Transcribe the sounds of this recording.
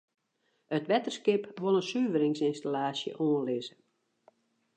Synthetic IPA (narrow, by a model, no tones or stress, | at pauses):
ətʋɛtərskɪpʋolˠənsyːvəɾɪŋsɪnstalaːsjə̰ʔoːənlɪzə